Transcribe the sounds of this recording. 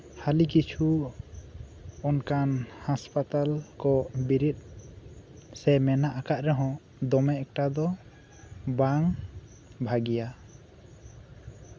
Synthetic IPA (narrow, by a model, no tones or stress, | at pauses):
halikit͡ʃʰu | ɔnkanhaspat̪alkɔbiɾit̪̚ˀ | sɛmɛnaʔakaʔ̪ɾɛɦɔ̃ | d̪ɔmɛɛk̚ʈad̪ɔ | baŋ | bʱaɡija